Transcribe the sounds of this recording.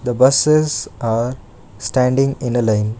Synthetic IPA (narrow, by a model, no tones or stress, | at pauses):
d̪əbʌsesaːɾ | sʈæ̃ɳɖɪ̃ŋɪ̃nəlãɪ̃n